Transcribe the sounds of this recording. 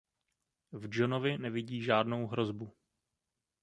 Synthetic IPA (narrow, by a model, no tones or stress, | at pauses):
vd͡ʒonovɪnɛvɪɟiːʒaːdno̞wɦɾo̞zbu